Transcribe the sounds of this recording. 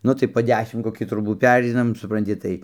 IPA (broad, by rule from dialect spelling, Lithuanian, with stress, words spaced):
ˈnʊ tɐɪ poː ˈdʲæːʃʲɪm koːˈkʲiː troːˈbuː ˈpʲæːrʲɛɪnɐm sʊprɐnʲˈtʲɪ ˈtɐɪ